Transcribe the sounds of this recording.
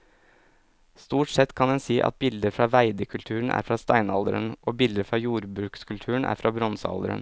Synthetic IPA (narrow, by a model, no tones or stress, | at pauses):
st̪uːʈsɛt̪kʰɑnd̪ɛnsiːʔɑ̰t̪̚bɪld̪əɾfɾɑːʋæɪd̪əkʰʉlt̪ʰʉːɳ̩ʔæ̰ːɾfɾɑːst̪æɪnɑld̪əɾənʔoːbɪld̪əɾfɾɑːjuːɾbɾʉːkskʰʉlt̪ʰʉːəɳ̩ʔæ̰ːɾfɾɑːbɾɔnsəɑ̰ld̪əɾə̰n